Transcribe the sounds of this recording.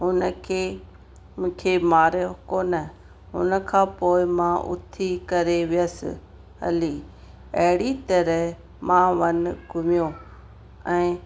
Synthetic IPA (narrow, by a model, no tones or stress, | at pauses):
ɦʊnəkʰe | mũːkʰemaːɾjokoːnə | ɦʊ̰nə̆kʰãːpoːɪmãʔʊ̰t̪ʰikɐɾeʋɪjəsɪ̰ | ɦɐ̰liː | ɐɦɪɽit̪ɐɾəɦ | mãːʋɐnɡʱʊmɪjo | ɛ̃ː